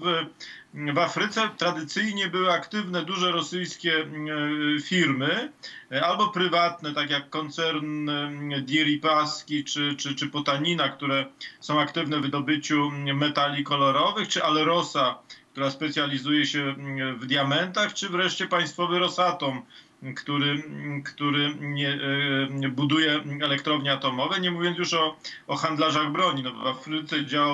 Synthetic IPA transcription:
v | vafɾɘt̪sɛt̪ɾad̪ɘt̪sɘjɲɛbɘwɘakt̪ɘvnɛd̪uʐɛɾɔsɘjskʲɛ | fʲiɾmɘ | albɔpɾɘvat̪nɛt̪akʲjakːɔnt̪sɛɾnd̪ʲjɛɾʲipaskʲit͡ʂɘt͡ʂɘt͡ʂɘpɔt̪aɲinakt̪uɾɛsɔ̃w̃akt̪ɘvnɛvd̪ɔbɘt͡ɕumɛt̪alʲikɔlɔɾɔvɘxt͡ʂɘʔalɛɾɔsak̚t̪uɾaspɛt̪sʲjalʲizujɛɕɛvd̪ʲjamɛnt̪axt͡ʂɘvɾɛʂt͡ɕɛpaj̃st̪fɔvɘɾɔsat̪ɔm | kt̪uɾɘkt̪uɾɘɲɛ | bud̪ujɛɛlɛkt̪ɾɔvɲɛat̪ɔmɔvɛɲɛmuvʲjɔnjuʂɔɔxand̪laʐaɣbɾɔɲinɔvafɾɘt̪sɛd͡ʑawa

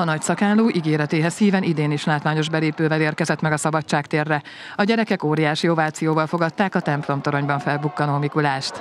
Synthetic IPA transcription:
ɒnɒcsɒkaːlːoːʔiɡeːɾɛt̪eːɦɛshiːvɛnid̪eːniʃlaːt̪ʋaːɲo̞ʒbɛleːpøːvɛleːrkɛzɛt̪mɛɡɒsɒbɒtt͡ʃːaːkt̪eːrːɛ | ɒɟɛɾɛkɛkoːɾijaːʃio̞vaːt̪sijoːvɒlfo̞ɡɒt̪ːaːkɒt̪ɛmplo̞mt̪o̞ɾo̞ɲbɒɱfɛlbukːɒnoːmikulaːʃt̪

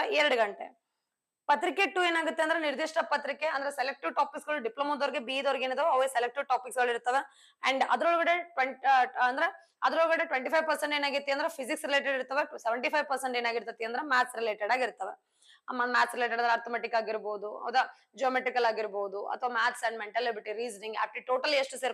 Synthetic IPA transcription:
ɛɾɐɽuɡɐɳʈḛ | pɐt̪ɾikːeʈue̞ːnaːɡut̪ːend̪ɾeniɾd̪iʂʈɐpɐt̪ɾikːeɐnd̪ɐɾeselek̚ʈiʋʈaːpiksɡɐɭuɖiplomɐd̪oːɾiɡebiːd̪oɾiɡeːnt̪ːɐʋeɐːʋeːselek̚ʈiʋʈaːpiksɡɐɭiɾt̪ːɐʋe | ɐ̰ɳɖɐd̪ɐɾoɭɡɐɽeʈʋeɐnd̪ɐɾe | ɐd̪ɐɾoɭɡɐɽeʈʋeɳʈipʰɐjʋpɐɾseɳʈeːnaːɡiɾt̪ːejɐnd̪ɐɾepʰisiksɾileːʈ̬eɽiɾt̪ɐʋeseʋɐɳʈipʰɐjʋpɐɾseɳʈeːnaːɡiɾt̪ɐt̪ːijɐnd̪ɐɾemæːt̪ʰsɾileːʈeɽaːɡiɾt̪ːɐʋḛ | mɐmæːt̪sɾileːʈ̬eɽɐnd̪ɾeaːɾt̪omaːʈikːaːɡiɾboːd̪uɐ̰wd̪ɐ | d͡ʒoːmeʈɾikɐlaːɡiɾboːd̪uɐ̰t̪ʰɐʋaːmæːt̪sɐ̃ɳɖmeɳʈɐlːibɐɾʈiɾiːd͡ʒɐnĩŋɡa̰ːpʈiʈoːʈɐlːieʂʈuseɾ

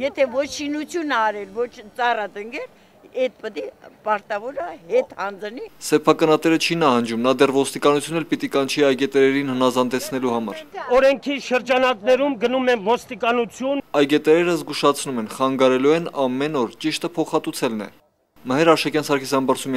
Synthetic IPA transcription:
jɛt̪ʰɛvɔt͡ʃʰʃinut͡sʰjunɑɾɛlvɔt͡ʃʰt͡sɑrɑt̪əŋɡɛl | ɛt̪̚pət̪ipɑɾt̪ɑvɔɾəhɛt̪hɑnd͡znisɛpʰɑkɑnɑt̪ɛɾət͡ʃʰinɑhɑnd͡ʒumnɑd̪ɛrvɔst̪ikɑnut͡sʰjunːɛlpit̪ikɑnt͡ʃʰiɑjɡɛt̪ɛɾɛɾinhənɑzɑnd̪ɛt͡sʰn̪ɛluhɑmɑ̰ɾɔɾɛŋkʰiʃəɾd͡ʒɑnɑknɛɾumɡənumɛnvɔst̪ikɑnut͡sʰjunɑjɡɛt̪ɛɾɛɾəzɡuʃɑt͡sʰnumɛnχɑŋɡɑɾɛluɛnɑmɛnɔɾt͡ʃiʃt̪əpʰɔχɑt̪ut͡sʰɛlnɛ̰ | məɦɛɾɑʃɑkjɑnsɑɾkʰisɑmbɑɾt͡sʰum

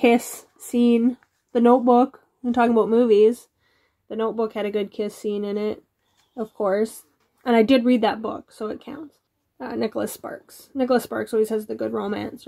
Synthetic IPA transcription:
kʰɪsː | ĩn | ðɨnoʊt̚b̥ʊk | ntʰɔkɪ̃ŋəbaʊt̚mʉviz̥ | ðɨnoʊt̚b̥ʊkhɨɾɨɡʊd̚kʰɪsĩnɨ̃nɪt̚ | ʌv̥kʰɔɹs | ʔɨ̃ɾ̃aɪdɨd̚ɹid̪̚ðət̚b̥ʊ̰ksoʊɨt̚kʰã̰ʊ̃nts | ʌnɪkl̩ˠəspɑ̰ɹks | nɪkl̩ˠəspɑ̰ɹksɔlˠwiz̥ɨzðɨɡʊd̚ɹõʊmæ̰̃ns

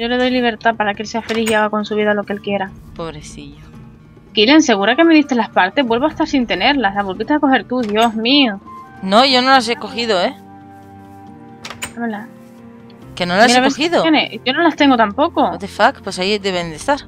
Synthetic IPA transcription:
ʝo̞le̞ðo̞jliβ̞e̞ɾt̪apaɾakee̞lse̞afe̞lisiaɣ̞ako̞nsuβiðalo̞kelkje̞ɾapo̞βɾeθiʝo | kile̞nse̞ɣuɾake̞me̞ðiht̪elahpaɾt̪e̞ɦβwelβoaeht̪aɾsint̪e̞ne̞ɾlaslaβolβit̪eaeko̞xe̞ɾt̪uðjo̞ɦmiu | no̞ʝo̞nolas̬eko̞xiðoe | aβela | kenolasiɾeaβeosxiðoeneʝo̞no̞last̪e̞ŋɡo̞t̪ampo̞koot̪efakpwosaid̪eβend̪est̪aɾ

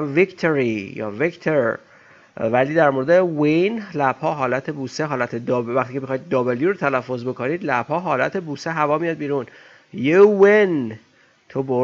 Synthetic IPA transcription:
vikt̪ʰoɾijɒ̰ːvikt̪ʰoɾ | væliːd̪æɾmoɾed̪ewinlæb̥hɒːɦɒːlæt̪ʰe̞buːseɦɒːlæt̪ʰed̪ɒːbvæxt̪icʰemixɒːjd̪̚ːɒːbeljiɾot̪ʰælæfːo̞zbe̞kʰoniːd̪læbhɒːɦɒːlæt̪ʰe̞buːseɦævɒːmijɒːd̪̚biːɾun | jewen | t̪ʰobo

